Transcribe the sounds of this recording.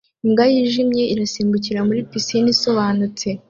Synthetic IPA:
imɡajiʒimɲe̞ʔiɾasiːmbuciɾamuɾipisiniso̞βaːnut͡se̞

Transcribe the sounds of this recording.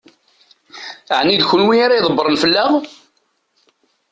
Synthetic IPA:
əʕnid̪çʊlwiaɾajðˤəbːəɾˤənfəlːaʁ

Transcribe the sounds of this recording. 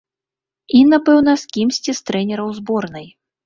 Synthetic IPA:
inapɛwnɐskʲimsʲt͡sʲist̪ɾɛnʲɛɾɐwzbɔrnɨj

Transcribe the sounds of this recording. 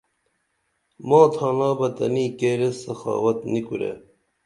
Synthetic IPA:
mɑ̃ːt̪ʰɑːnɑːbɐt̪ɐ̰niːkeɾesɐxɑ̰ːwɐt̪nikuɾḛ

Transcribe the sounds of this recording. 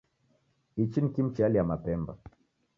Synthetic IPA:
it͡ʃinikim̩t͡ʃialiamapɛmba̰

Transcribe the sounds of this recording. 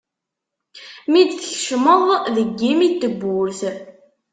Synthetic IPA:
mid̪θçʃməðˤðəɡːimit̪ːəbːʊɾθ

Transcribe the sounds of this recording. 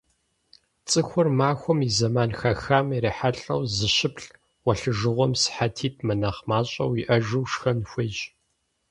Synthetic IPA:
t͡sʼɨxʷʊrmaːxʷɔmizɐmaːnxɐxaːmeɾeːħaɬʼɐwzɨɕɪpɬ | wɐɬɨʒɨʁʷɔmsħatʰiːt̚ʰmɐnɐχmaːɕʼɐ̰wiʔɐʒɨwʃxɐnxʷɪd͡ʒ

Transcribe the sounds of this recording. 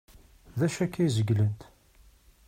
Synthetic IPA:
ðæʃækːæjzəɡlənt̪

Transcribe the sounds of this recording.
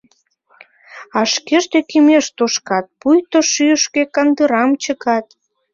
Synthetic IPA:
ɑʃkeʃt̪ekimeʃt̪oʃkɑt̪̚pujt̪oʃyəʃkekɑnd̪əɾɑmt͡ɕəkɑt̪

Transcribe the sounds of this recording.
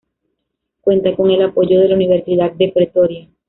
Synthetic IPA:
kwe̞nt̪ako̞ŋe̞lapo̞ʝoð̞e̞launiβ̞e̞ɾsiðad̪̚d̪epɾet̪o̞ɾja

